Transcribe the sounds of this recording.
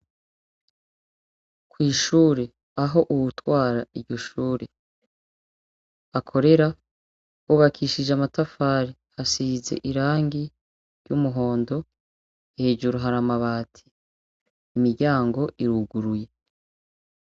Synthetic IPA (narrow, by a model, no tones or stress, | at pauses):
kwiːʃuːɾe̞ | aɦo̞ʔuβutwaːɾaiɾɟoʃuːɾe | akʰo̞ɾe̞ɾa | wuβakʰiːʃid͡ʒamatafaːɾi | hasize̞̰ʔiɾaːŋɡi | ɾɟumuɦo̞ːndo̞ | he̞ːd͡ʒuɾuɦaɾamaβaːtʰi̥ | imiɾɟaːŋɡo̞ʔiɾuɡuɾuje̞